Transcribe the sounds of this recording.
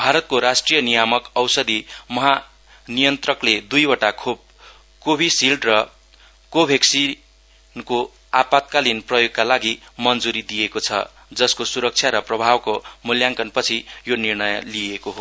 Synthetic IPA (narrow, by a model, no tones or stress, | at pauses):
bʱaɾʌt̪̚koɾasʈrijʌnijamʌkʌwsʌd̪imʌɦa | nijʌnt̪rʌkled̪ujʌʈakʰob̚ | kobʱisilɖrʌ | kobʱeksi | nko | apat̪̚kalinprʌjoɡ̚kalaɡimʌnd͡zuɾid̪ijekot͡sʰʌ̰ | d͡zʌskosuɾʌk̚t͡sʰjaɾʌprʌbʱabkomuljaŋkʌnpʌt͡sʰijonirnʌjliekoɦo